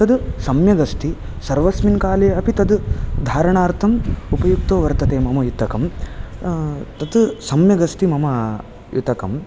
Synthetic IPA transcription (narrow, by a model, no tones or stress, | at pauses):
t̪ɐd̪sɐmjɐɡɐst̪i | sɐɾʋɐsminkaːleːɐpit̪ɐd̪d̪ʱaːɾɐɳaːɾt̪ʰɐmupɐjuk̚t̪oːʋɐɾt̪ɐt̪eːmɐmɐjut̪ɐkɐm | t̪ɐt̪sɐmjɐɡɐst̪imɐmɐ | jut̪ɐkɐm